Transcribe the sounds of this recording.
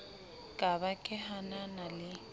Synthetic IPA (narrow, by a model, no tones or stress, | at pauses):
kʼabakʼɪɦananalɪ